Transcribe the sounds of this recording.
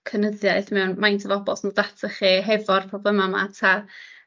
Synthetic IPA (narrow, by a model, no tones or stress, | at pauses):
kʰənəðjaɨθmɛwnmajntʰɔvɔbɔ̰snulˠdatʰəχiɦɛvɔrpʰrɔblˠəmama̰tʰa